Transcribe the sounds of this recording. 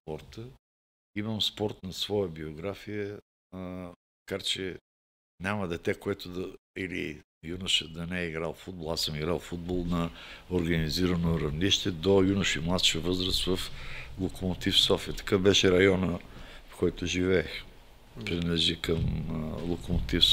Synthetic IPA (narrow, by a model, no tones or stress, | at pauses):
spɔɾt̪ə | iməmspɔɾt̪nɐsvɔjəbioɡɾafijə | mɐkaɾt͡ʃɛ | nʲamɐd̪ɛt̪ɛkoɛt̪od̪ɐilḭ | junuʃəd̪ɐnɛɛiɡɾalˠfud̪̚bolˠasəmiɡɾalˠfud̪̚bolˠnɐoɾɡɐniziɾɐnoɾɐvniʃt̪ɛd̪ojunʊʃimlˠat̪ʃiəvɤzɾəst̪vɐflˠokomot̪ifsɔfijət̪ɐ̥kabɛʃɛɾɐjɔnəfkɔjt̪oʒivɛːx | pɾinɛʒikəmlˠokomot̪if